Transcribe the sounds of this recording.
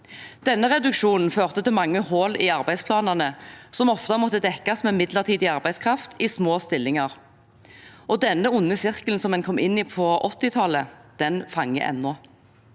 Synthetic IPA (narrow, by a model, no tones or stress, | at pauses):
d̪̥ɛnːəʁɛd̪ʉkʃuːnn̩føːʁt̪ət̪ɪlmɑŋːəhoːlɪːɑʁbæɪspʰlɑːnɑʁnəsɔmɔft̪ɑmɔt̪ːəd̪ɛkːɑsmɛːɪmɪd̪ləʁt̪ʰiːd̪ɪɑʁbæɪd̪skʰʁɑft̪ʰiːsmoːst̪ɪlːɪŋɑʁ | ʔɔd̪ɛnːəʊnːəsɪʁkln̩sɔmɛnkʰɔmːʔɪnːiːpʰɔʔɔt̪ːɪt̪ʰɑləd̪̥ɛnfɑŋːə̰ʔɛ̰nːɔ